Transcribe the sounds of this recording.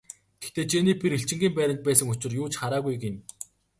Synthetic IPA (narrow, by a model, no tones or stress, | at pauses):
ɡ̥e̥xt̪eːt͡ɕeniːpʲiɾiɬt͡ɕɪ̆ŋɡʲiːmpæːɾʲɪ̆nt̪̚pæːsə̆ŋɵt͡ɕɪ̆rjʊːt͡ɕχaɾaːɣujɡen